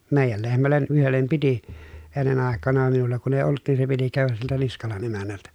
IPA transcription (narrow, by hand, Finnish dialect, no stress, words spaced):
meˑijæl lehmælːen ʔyhelːem piti enːen ɑˑekˑɑnɑ minulːɑ kun eˑi olˑŭt nin se piti kæˑøʋæs siltæ niskɑlɑn emænːæltæ